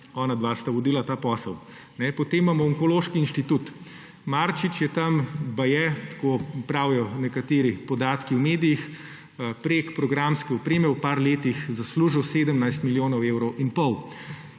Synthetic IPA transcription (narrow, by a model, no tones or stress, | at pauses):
ɔːnad̪ʋast̪aʋɔd̪iːlat̪aːpɔːsəw | nɛpɔt̪emːamɔɔŋkɔloʃkiːnʃt̪it̪ut̪ | maɾt͡ʃit͡ʃjɛt̪ambajɛt̪kopɾaːwjɔnɛkat̪eːɾipɔd̪aːt̪kiwmeːd̪ijix | pɾekpɾɔɡɾamskɛupɾeːmɛwpaɾleːt̪ixzasluːʒiwseːd̪əmnajst̪miljoːnɔwewɾɔwinpɔw